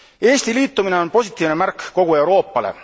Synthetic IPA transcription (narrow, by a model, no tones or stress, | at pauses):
e̞ːsʲt̪iliːt̪ːˑumine̞o̞npo̞sʲit̪ːˑiːvne̞mærkko̞ɡ̥ue̞wɾo̞ːpːˑɑle̞̰